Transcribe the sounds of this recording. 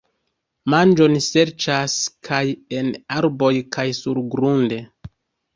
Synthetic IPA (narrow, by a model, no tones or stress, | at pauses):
mand͡ʒo̞nse̞ɾt͡ʃaskʰaje̞naɾbo̞jkʰajsuɾɡɾunde̞